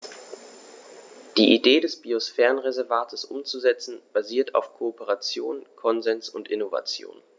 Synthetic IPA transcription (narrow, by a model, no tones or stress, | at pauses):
d̥iːʔideːdɛsb̥iosfɛːʁənʁezɛɐvaːtʰəsʔʊ̰mt͡suzɛt͡sn̩b̥aziːɐtʰa̰ʊfkʰoːpəʁat͡sjoːnkʰɔnzɛnsʊntʔɪnova̰t͡sjo̰ːn